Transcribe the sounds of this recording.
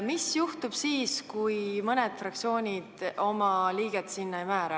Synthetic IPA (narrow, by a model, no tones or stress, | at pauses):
misjuht̪ub̥siːskujmɤned̪̥frɑk̚t̪sio̞ːnʲid̪̥o̞mɑliːɡ̥et̪sinːɑejmæːɾɑ